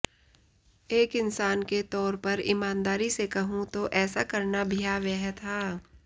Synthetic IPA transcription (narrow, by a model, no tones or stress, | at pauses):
eːkɪnsaːnket̪ɔːɾpɐɾɪmaːnd̪aːɾisekɐɦũt̪oʔɛːsakɐɾnabʱijaʋɛɦt̪ʰaː